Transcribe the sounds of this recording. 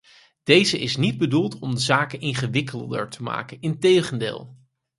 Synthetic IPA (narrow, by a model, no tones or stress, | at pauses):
d̥ejzəʔɪsnid̚bədulˠtɔmdəzaːkənɪnχəʋɪkəllˠdə̰ɹtəma̰ːkənɪntejχəndɪ̰ːlˠ